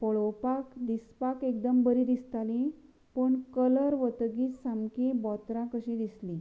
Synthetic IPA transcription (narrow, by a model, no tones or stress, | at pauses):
pɔɭɔwpakd̪ispakekd̪əmbəɾid̪ist̪alĩ | pəɳkələɾʋət̪ɡiːt͡ssamkebɔt̪ɾãkəɕĩd̪islĩ